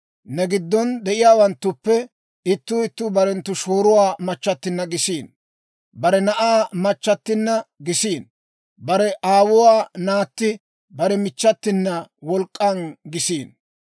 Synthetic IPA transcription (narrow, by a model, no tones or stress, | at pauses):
nɛɡɪd̪ːɔnd̪ɛʔɪjaːwɐnt̪ːʊpːɛ | ɪt̪ːʊːɪt̪ːʊbɐɾɛnt̪ːʊʃoːɾʊwaːmɐt͡ʃːɐt̪ːɪnːɐɡɪsiːn | bɐɾɛnɐʔaːmɐt͡ʃːɐt̪ːɪnːɐɡɪsiːn | bɐɾɛʔaːwʊwaːnaːt̪ːɪ | bɐɾɛmɪt͡ʃːɐt̪ːɪnːɐwɔlkʼːɐnɡɪsiːn